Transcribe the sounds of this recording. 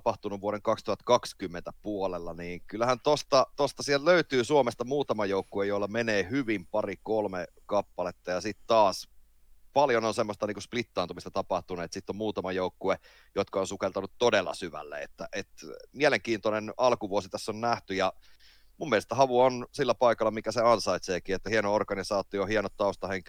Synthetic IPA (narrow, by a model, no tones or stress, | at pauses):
pɑht̪unuʋʋuoɾeŋkɑkst̪uhɑt̪kɑkskymːent̪æpuolelːɑniːŋkylːæhænt̪ost̪ɑt̪ost̪ɑsiæltløyt̪yːsuomest̪ɑmuːt̪ɑmɑjoukːoejoilːɑmeneːhyʋimpɑrikolme | kɑpːɑlet̪ːɑjɑsit̪t̪ɑːs | pɑljononsemːost̪ɑniːkusplit̪ːɑːt̪umist̪ɑt̪ɑpɑht̪unuet̪sit̪ːommuːt̪ɑmɑjoukːue | jot̪kɑonsukelt̪ɑnut̪ːodelːɑ̰syʋæ̰lːḛḛt̪ːæʔet̪mieleŋkiːnt̪onenɑlkuʋuosit̪æsːonnæht̪yjɑ | mumːielest̪æhɑʋuonsilːæpɑikɑlːɑmikæseɑnsɑit̪seːkiːet̪ːæhienoorkɑnisɑːt̪iohienot̪tːɑust̪ɑheŋk